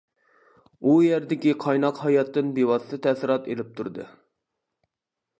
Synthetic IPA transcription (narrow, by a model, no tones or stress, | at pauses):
ujæɾd̪ɪkʲiqʰɑjnɑqhɑjɑt̪ːɨnbewɑst̪ɨt̪ʰæsɪɾɑt̪ḛlɪp̚t̪ʰuɾd̪ɨ̰